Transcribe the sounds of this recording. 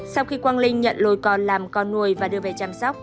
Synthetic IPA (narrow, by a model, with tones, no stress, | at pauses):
sa˧wxi˧kwaː˧nlï˧ŋ̟ɲə̰˧˨nlo˧˩jkɔ˨˩nlaː˨˩mkɔ˧nnːu˨˧˩əjvaː˨˩ɗɨ˧əve˨˩t͡ɕaː˧msɔ˦˥wk͡p̚